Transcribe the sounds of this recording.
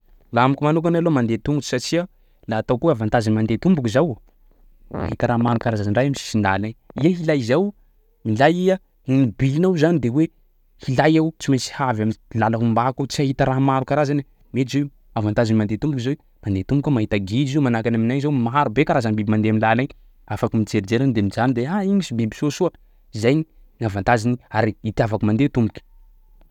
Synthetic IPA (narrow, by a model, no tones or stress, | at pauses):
laamikumanuk̬analomand̪et̪umbut͡ʃi̥sat͡ʃia | laːt̪awkuavant̪azanmand̪et̪umbukizaw | a̰hit̪aɾamaɾukaɾazaziɳɖ͡ʐajamisi̥sind̪alaɲiəɦilajzaw | milajia | inibilnawzanid̪ewe | hilajawt͡simisi̥havamilalaɦumbakat͡siaɦit̪əɾaɦmaɾukaɾazani | met̪ize | avant̪azinmand̪et̪umbukizow | mand̪et̪umukʲəmaɦit̪aɡid͡ʒizomanakanaminajzowmaɦaɾubekaɾazanbibimand̪eaminlanaɲ | afakimid͡ʒeɾid͡ʒeɾand̪emid͡ʒanid̪eaiɲisibibi̥sosuə | izajɲi | ŋavant̪aziniaɾiit̪iavakumand̪et̪umbukʲi̥